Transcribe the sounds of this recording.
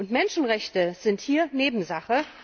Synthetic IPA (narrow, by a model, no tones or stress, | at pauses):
ʔʊntmɛnʃn̩ʁɛçtəz̥ɪnthiːɐneːbm̩zaχə